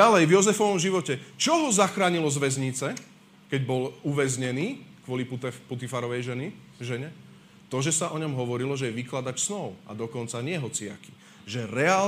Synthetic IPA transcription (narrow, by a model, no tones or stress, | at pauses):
alɛjvjɔzɛfɔʋɔmʒiʋɔcɛt͡ʃɔɦɔzaxɾaːɲilɔzʋɛzɲit͡sɛ | kɛɟbɔluʋɛzɲɛniːkʋʊɔlipput̪ifaɾɔʋɛjʒɛniʒɛɲɛ | t̪ɔʒɛsaʔɔɲɔmɦɔʋɔɾilɔʒɛjɛʋiklad̪acsnɔʊa̰d̪ɔkɔnt͡saɲɪɛɦɔt͡sɪa̰ki̥ | ʒɛɾɛaː